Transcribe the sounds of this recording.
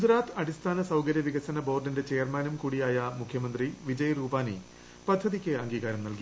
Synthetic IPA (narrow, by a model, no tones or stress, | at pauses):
ɡud͡ʑɾaːt̪ʰɐɽist̪ʰaːnɐsɐwkɐɾjɐʋiɣɐsɐnɐbo̞ːrɖinde̞t͡ɕe̞jrmaːnumkuːɽijaːjɐmukʰjɐmɐnd̪riʋid͡ʑɐjruːbaːni | pɐd̪ʱːɐðikʲːɨɐŋɡiːɣaːɾɐmnɐlki